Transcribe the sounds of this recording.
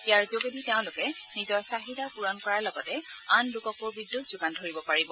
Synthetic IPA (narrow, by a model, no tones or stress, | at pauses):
ijaɹzoɡediteʊ̃lʊkɛnizɔɹsaɦitapuɹɔnkɔɹaɹlɔɡɔtɛanlʊkɔkobidːutzʊɡandʱoɹibɔpaɹibɔ